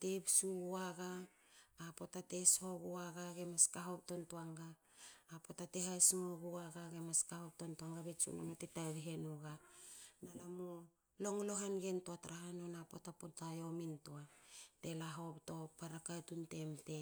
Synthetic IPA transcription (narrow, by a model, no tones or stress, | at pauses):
tebsuɡuaɡaː | po̞tate̞sho̞ɡuaɡaɡe̞maskaɦop̚to̞ntoaŋɡaː | po̞tate̞ɦajsmoɡuaɡaɡemaskahop̚tontoaŋɡabet͡ʃṵno̰motetaβiɦenuɡanalamu | lo̞ŋlo̞ɦanɡe̞ntoataɾaɦanonapo̰tapotajo̞mintoate̞laɦo̞pto̞paɾakatunte̞mte̞